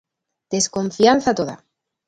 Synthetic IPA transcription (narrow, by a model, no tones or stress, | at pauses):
d̪̥e̞sko̞ɱfjanθat̪o̞ða̰